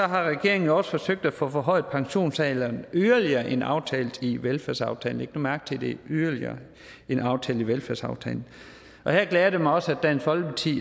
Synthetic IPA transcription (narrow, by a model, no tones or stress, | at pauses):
sɒ̽ɦɑ̈ʁɛɡ̥e̝ɐe̝ŋn̩ɒ̽sə̥fɒ̽søɡ̥̚d̥æfɔ̰̽ːfɒɦɒ̽ɪ̰ð̩ˠpʰɑ̈ŋɕo̝̰ːnsɛːlɐːnyðˠɐliɐːʔe̝nɑ̈ʊt͡sʰɛ̰ːld̥iʋelfæɐsɑ̈ʊt͡sʰɛ̰ːln̩eɡ̥n̥omæɐɡ̥̚t͡sʰe̝d̥e̝yðˠɐliɐ̰ː | e̝nɑ̈ʊt͡sʰɛ̰ːl̥iʋelfæɐ̰sɑ̈ʊt͡sʰɛ̰ːln̩ | ʔɒ̽heɐɡ̥lɛːɐd̥e̝mɑɪɒ̽sæd̥æn̰sʋɒ̽l̥pʰɑ̈t͡sʰḭː